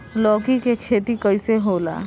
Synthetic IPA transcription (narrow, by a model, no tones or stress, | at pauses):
lɔːkikekʰeːt̪ikəjseɦoːla̰ː